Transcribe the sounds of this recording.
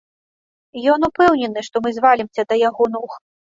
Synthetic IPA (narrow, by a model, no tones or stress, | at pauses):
jɔnupɛwnʲɛnɨʂt̪ɔmɨzvalʲimsʲɐd̪ɐjaɣɔnux